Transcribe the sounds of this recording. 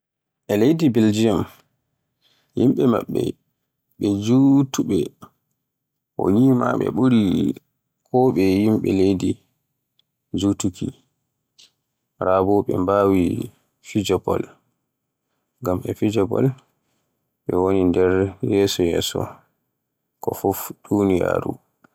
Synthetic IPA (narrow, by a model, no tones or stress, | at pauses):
ʔɛlejdibild͡ʒiam | jimɓɛma̰ɓːɛ̰ | ɓɛd͡ʒutuɓɛ | ʔɔ̰jiːma̰ɓɛ̰ɓuɾi | kʰɔɓɛjimɓɛlejdi | d͡ʒutukʰi | ɾaːbɔɓɛmbaːwi | fid͡ʒɔbɔ̰l | ɡamʔɛfid͡ʒɔbɔ̰l | ɓɛwonindɛɾjɛːsɔjɛ̰ːsɔ | kɔfufdunija̰ɾṵ